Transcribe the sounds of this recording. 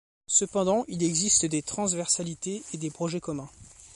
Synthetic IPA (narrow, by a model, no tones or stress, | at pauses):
səpɑ̃d̪ɑ̃ʔilɛɡzist̪d̪et̪χɑ̃svɛʁsalit̪eed̪epχɔʒɛkɔmɛ̃